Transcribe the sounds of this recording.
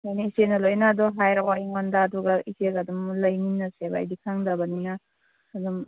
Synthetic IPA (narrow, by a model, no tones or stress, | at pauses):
jajniisenɐlojnaːdɔɦajɾaajŋɔndaːduɡaiseɡadumlɐjminːɐseba̰jdikʰaŋdabaninaː | dum